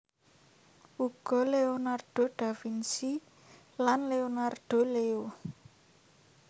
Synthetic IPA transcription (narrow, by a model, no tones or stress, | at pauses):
uɡ̥ɔ̤leonarɖ̪̥o̤ɖ̪̥a̤finsi | lanleonarɖ̪̥o̤leo